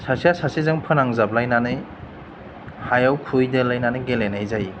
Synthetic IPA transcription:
sasijasasizɯŋpʰɯnaŋzablajnanɯj | hajawkʰujdelajnanɯjɡelenajzaj

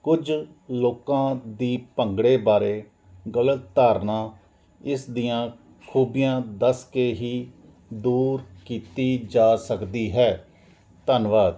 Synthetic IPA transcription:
kʊd͡ʒ | loːkãːd̪iːpəŋɡɽeːbaːɾeː | ɡələt̪ːaːɾnãː | ɪsd̪ɪjãː | kʰuːbɪjãːd̪əskeːɦiː | d̪uːɾkiːt̪iːd͡ʒaːsəkd̪iːɦɛː | t̪ənʋaːd̪

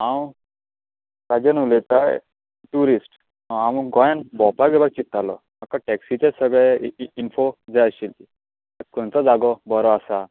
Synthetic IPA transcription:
ãw | kad͡ʑənulet̪aj | ʈuɾisʈ | ãwuɡɔjanbɔpaɡebak̚t͡ɕit̪ːalɔ̰ | makaʈɛksit͡ɕesəɡɭɛinfod͡zaəɕilt̪i | akɔnt͡sad͡zaɡɔbɔɾɔasa

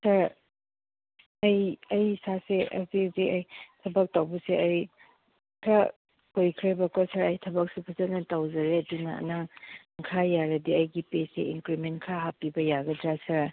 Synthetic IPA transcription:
sɐɾ | ɐjɐjsaseʔɐ̰ziziɐjtʰɐbɐk̚tawbuseɐj | kʰɾa | kojkʰɾebɐkɔsɐɾɐjtʰɐbɐk̚supʰɐzɐt̚nɐtawzɐɾeɐdunɐɐ̰naŋ | ŋkʰajaɾɐdiɐjɡipesḛʔiŋkɾimentkʰɾaɦapibɐjaɡɐdɾasɐɾ

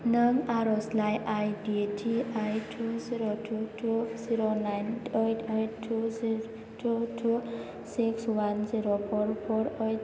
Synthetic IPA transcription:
nʌŋaɾoslajʔajd̪iʈʰiʔajʈʰuziɾoʈʰuʈʰuziɾonajnejʈʰejʈʈʰːuzi | ʈʰuʈʰu | sikswanziɾopʰorpʰoɾʌj

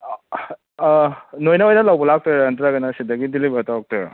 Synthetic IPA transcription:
nojnaojnɐlawbɐlak̚tɔjantɾaɡɐnasidɐɡidilibatawak̚tɔjɔ̰

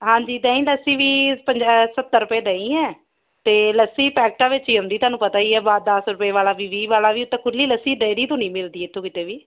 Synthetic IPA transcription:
ɦãːɲd͡ʒiːd̪ə̃ːĩːləsiːʋiːpəɲd͡ʒasət̪ːəɾʊpeːd̪əĩːɛː | t̪eːləsiːpɛːk̚ʈãːʋɪt͡ʃiːɦʊ̃nd̪iːt̪ʊaːnũːpət̪aːiːɛːbaːd̪əsɾʊpeːʋaːlaːʋiːʋiːʋaːlaːʋiːʊt̪ːẽːkʰʊlːiːləsiːɖeːɾiːt̪õːnĩːmɪld̪iːɪt̪ʰːõːkɪt̪eːʋiː

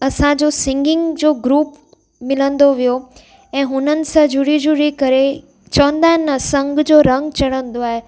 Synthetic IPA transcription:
ɐsãd͡ʑosɪ̃ŋɡɪ̃ŋɡd͡ʑoːɡɾuːp | mɪlə̃nd̪oʋijo | ɛ̃ːɦʊnənɪ̆sãd͡ʑʊɽid͡ʑuɽikɐɾe | t͡ɕəʋə̃nd̪aːɦnəsə̃ŋɡd͡ʑoːɾə̃ŋɡt͡ɕɐɽ̤̃ə̃nd̪oaːɦe

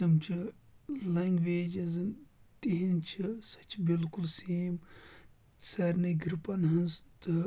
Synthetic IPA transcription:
ɐmt͡ʃʰilɐŋɡʋeːd͡ʒɐzt̪iɦint͡ʃʰisɐt͡ʃbilkulseːm | sɐɾnɐɡɾipɐnɦɐnzt̪ɨ

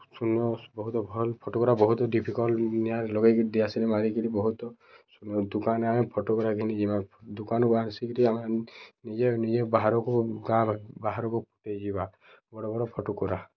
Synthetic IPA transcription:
sunjɔbɔɦut̪ɔbʱɔlpʰɔʈokɔɾabɔɦut̪ɔɖipʰikɔlnijalɔɡekd̪iasilimaɾikilibɔɦut̪ɔ | sunjɔd̪ukaneamepʰɔʈukɔɾaɡʱinid͡ʒibad̪ukanɔkuansikiɾiamenid͡ʒenid͡ʒebaɦaɾɔkuɡãbbaɦaɾɔkupu̥ʈejd͡ʒiba | bɔɽɔbɔɾɔpʰɔʈukuɾa

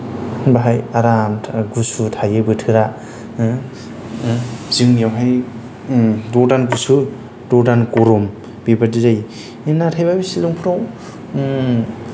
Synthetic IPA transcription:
baɦajaɾamʰɡusutʰajɯbɯtʰɯɾa | ziŋjawɦaj | dɔdanɡusu | dɔdankoɾum | bibadɯzaj | enatʰajbabisiluŋpʰuɾaw

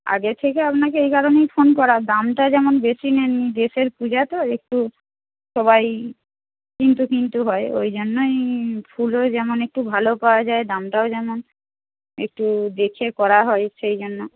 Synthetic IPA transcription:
a̰ɡet̪ʰekeapnakeejkaɾonejfʰonkɔɾad̪amʈad͡ʑɛmonbesinenːid̪eʃeɾpud͡ʑat̪oek̚ʈu | ʃɔβaj | kint̪ukint̪uɦɔeo̰jd͡ʑonːojfʰulod͡ʑɛmonek̚ʈubʱalopaoad͡ʑaed̪amʈaod͡ʑɛmon | ḛk̚ʈud̪ekʰekɔɾaɦɔeʃejd͡ʑonːo

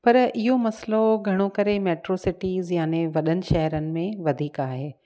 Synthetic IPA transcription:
pɐɾɪɦomɐsloɡʱɐɽ̃okɐɾemɛːʈɾoːsɪʈiːzjaːneʋɐɗənɪ̆ʃɐɦɾənɪ̆mẽʋɐd̪ʱiːkaːɦeː

